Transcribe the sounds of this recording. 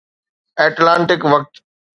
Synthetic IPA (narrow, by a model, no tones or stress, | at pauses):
ɛːʈlãːɳʈɪkʋɐk̚t̪